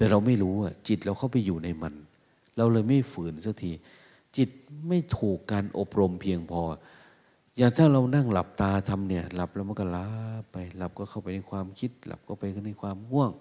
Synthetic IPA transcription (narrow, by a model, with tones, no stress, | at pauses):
t̪ɛː˨˩ɾa˧wma˥˩jɾuː˦˥wa˧˩t͡ɕi˨˩t̪̚ɾa˧wkʰa˥˩wpa˧jːuː˨˩na˧jma˧n | ɾa˧wlɤː˧jma˥˩jfɯː˨˩˦nsa˦˧˩t̪ʰiː˧ | t͡ɕi˨˩t̪̚ma˥˩jt̪ʰuː˨˩kːaː˧nʔo˨˩p̚ɾo˧mpʰi˧əŋpʰɔː˧ | jaː˨˩ŋt̪ʰaː˥˩ŋɾa˧wna˥˩ŋla˨˩p̚t̪aː˧t̪ʰa˧mni˧˩ɐla˨˩p̚la˧˩wma˧˥˨nkɔ˥˩laː˦˥pːa˧jla˨˦˩p̚kɔː˥˩kʰa˥˩wpa˧˩jna˧˥jkʰwaː˧mkʰi˧˦˥t̪̚la̰˨˩p̚kʰa˥˩wpa˧jkʰa˥˩na˧jkʰwaː˧mŋu˥˩əŋ